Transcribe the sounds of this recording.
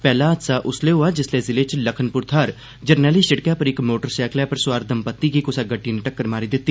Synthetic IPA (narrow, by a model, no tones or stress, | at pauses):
pɛːlaːəd̪saːʔʊsleːɦʊaːd͡ʒɪsleːzɪleːt͡ʃləkʰənpʊɾt̪ʰaːɾ | d͡ʒəɾnɛːliːsəɽkaːpəɾɪkmoːʈəɾsɛːkʰlaːpəɾsʊwaːɾd̪əmpət̪ːiːkiːkʊsaːɡəʈːiːnəʈəkːəɾmaːɾiːd̪ɪt̪ːiː